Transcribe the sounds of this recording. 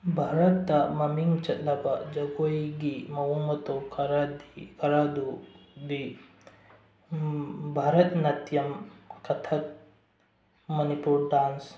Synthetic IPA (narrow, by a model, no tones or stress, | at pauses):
bʱaːɾɐt̪ːɐmɐmiŋɡt͡ʃɐd̪ɐpɐd͡ʒɐɡojɡimɐɦumɐt̪okɐɾakɐɾad̪ud̪i | bʱaːɾɐt̪nɐt̪jɐmkɐt̪ʰɐt̪̚ | mɐnipuɾɖaːns